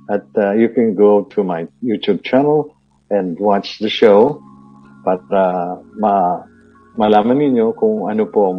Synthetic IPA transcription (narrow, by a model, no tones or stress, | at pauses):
ʔɐt̪̚ajukɛ̃nɡowt̪ʰumajjut̪ub̚t͡ʃanɐl | ʔɛ̃nd̪wat͡ʃðɐʃow | paːɾɐmɐ | mɐlaːmɐnːɪɲjokʊŋɐnopoʔɐŋ